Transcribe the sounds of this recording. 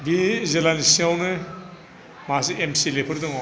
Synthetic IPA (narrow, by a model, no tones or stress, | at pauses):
bizelanisiawnɯ | mas̬iemsilepʰɯɾd̪ɔŋa